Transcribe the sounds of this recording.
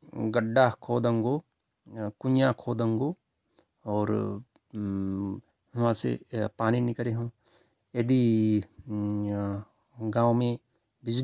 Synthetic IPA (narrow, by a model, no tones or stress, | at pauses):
ɡɐɖːaːkʰoːd̪ə̃ŋɡo | kʊnjakʰoːd̪ə̃ŋɡo | ɔːɾ | ɦmãsḛpaːninɪkəɾeɦõ | jɐd̪i | ɡãːwmẽ | bɪd͡ʒ